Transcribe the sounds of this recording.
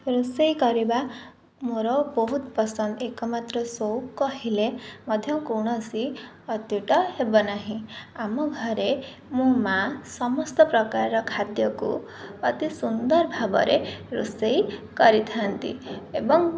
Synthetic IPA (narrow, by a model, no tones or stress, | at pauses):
ɾusejkɔɾiba | moɾɔbɔɦut̪pɔsɔnd̪ekɔmat̪ɾɔsowkɔɦilemɔd̪ʱjɔkuɽ̃ɔsi | ɔt̪juʈɔɦebɔnaɦĩamɔɡʱɔɾe | mũmasɔmɔst̪ɔpɾɔkaɾɾɔkʰat̪jɔkṵ | ɔt̪isund̪ɔɾbʱabɔ̰ɾeɾṵsejkɔɾit̪ʰant̪ḭebɔŋ